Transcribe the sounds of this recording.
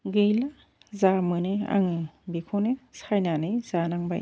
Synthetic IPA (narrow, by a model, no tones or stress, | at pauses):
ɡɯjla | zamɯnea̰ŋɯbikʰonesajnanɯjz̥anaŋba̰j